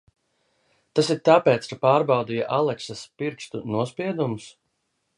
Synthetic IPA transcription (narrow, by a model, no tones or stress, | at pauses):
t̪asiɾt̪apeːt̪skapaːɾbawd̪ijaʔalˠɛksaspiɾkst̪unuɔspiɛd̪ums